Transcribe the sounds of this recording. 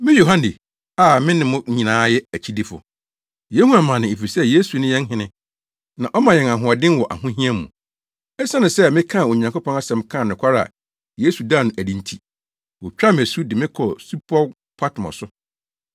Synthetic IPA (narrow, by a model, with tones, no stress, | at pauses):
mɪ̃˦jo˨ɦã˦ndi˨ | a˦˨mɪ̃˦nɪ̃˦mʊ̃˦ɲĩ˨nãː˨˦jɛ˦æ˨t͡ɕʰi˦di˦fʊ̰˨ | je˦hũ˦a˨mã˨nɪ̃˨e˨fi˨sɛ˦je˦su˨nɪ̃˦jɛ̃˦n˦ɦɪ̃˨nɪ̃˦ | nã˨ʔɔ˦mã˨jɛ˨na˨ɦʊ̃˨a˨dɪ̃˦nwɔ˨ʔa̰˨hʊ̃˦ɦĩ˦ɛ˦mũ˨ | ɛ˦sa˦nʊ̃˨sɛ˦mɪ̃˦kʰã˦˨o˨ɲã˨ŋkʊ˦pʰɔ̃˦na˦sɛ̃˨mkʰã˦˨nɪ̃˨kʷʰa˦ɾa̰˨ | je˦su˨daː˦˨nʊ̃˨ʔæ˨dĩ˨ntʰi˨ | wɔ˨t͡ɕᶣa˦m˨æ˨su˦dɪ˨mɪ̃˦kʰɔ˨su˦pʰɔ˦ | pʰa˦tʰmɔ̰̃˨sʊ˦